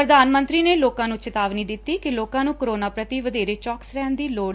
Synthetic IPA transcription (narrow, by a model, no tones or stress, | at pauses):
ɾəd̪aːnmə̃nt̪ɾiːneːloːkãːnũːt͡ʃɪt̪aːʋniːd̪ɪt̪ːiːkɪloːkãːnũːkoɾoːnaːpɾət̪iːʋəd̪eːɾeːt͡ʃɔːksɾɛːnd̪iːloːɽ